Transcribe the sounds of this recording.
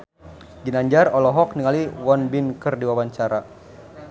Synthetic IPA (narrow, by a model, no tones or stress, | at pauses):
ɡinaɲd͡ʒarɔlɔɦɔk̚niŋaliwɔnbinkərdiwawaɲt͡ʃaɾa